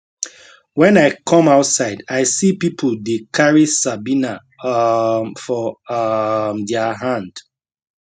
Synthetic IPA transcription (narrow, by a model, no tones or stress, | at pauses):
wɛ̃naɪkʰɔ̃maʊtsaɪdaɪsipipʰoldekʰaɹisabina | mfɔ | mdɛaɦãnd̥